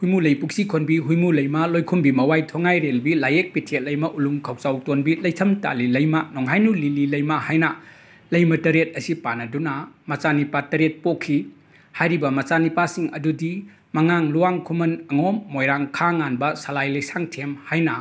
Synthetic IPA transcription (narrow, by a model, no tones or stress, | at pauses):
hujmulɐjpuk̚sikʰonbiɦujmulɐjmɐlojkʰumbimɐwajtʰoŋajɾelbilajek̚pitʰet̚lɐjmɐʔuluŋkʰawt͡ʃawtonbilɐjtʰɐmta̰lilɐjmɐnoŋɦajnulililɐjmɐhajnɐ | lɐjmɐtɐɾet̚ɐsipanɐdunɐmɐt͡ʃanipatɐɾet̚pokʰːi | hajɾibɐmɐt͡ʃanipasiŋɐ̰dudi | mɐŋaŋluwaŋkʰumɐnɐŋomːojɾaŋkʰaŋanbɐsɐlajlɐjsaŋtʰemhajnɐ